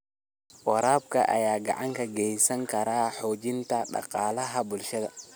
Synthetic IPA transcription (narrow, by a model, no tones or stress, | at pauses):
wɐɾaːbkɐ̰ʔɐ̰jaːɡɐ̰ʕaŋkʰɐɡɛjsɐŋkʰɐɾaːħɔːd͡ʒɪnt̪ɐɗɑ̰qɑːlɐɦɐbʊlʃɐd̪ɐ